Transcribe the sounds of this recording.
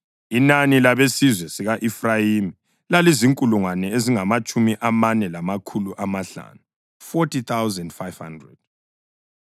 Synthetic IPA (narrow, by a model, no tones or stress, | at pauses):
inanilaβesizwɛsiɣaʔifrajimi | laliziŋkʼuluŋwanɛeziŋamat͡ʃʼumiʔamanɛlamakʰuluʔamaɬa̰ːnu | fɔtʰit̪ʰawzɛndfajv̥ha̰ndrɛ̰d̥̚